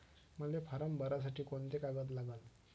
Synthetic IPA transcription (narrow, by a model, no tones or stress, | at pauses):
məlefəɾəmbəɾasaʈiːkont̪ekaɡət̪̬laɡən